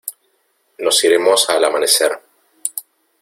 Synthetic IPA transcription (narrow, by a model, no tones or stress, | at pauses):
no̞siɾemo̞salamane̞seɾ